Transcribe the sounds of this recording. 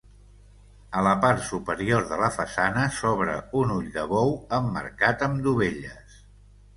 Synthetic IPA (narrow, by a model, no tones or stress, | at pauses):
ələpart̪supəɾioɾðələfəsanəsɔβɾə̰unuʎd̪əβɔwəmːə̰ɾkat̪əmd̪uβ̞eʎəs